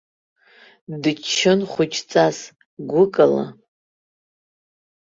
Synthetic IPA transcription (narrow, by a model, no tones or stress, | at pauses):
dɨt͡ʃʰːɨnχʷʊt͡ʃʰʼt͡sʼas | ɡʷʊkʼala̰